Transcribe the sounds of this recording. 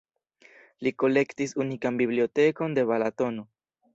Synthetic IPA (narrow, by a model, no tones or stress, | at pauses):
liko̞le̞kt̪isunikambiβliot̪eko̞nd̪e̞βalat̪o̞no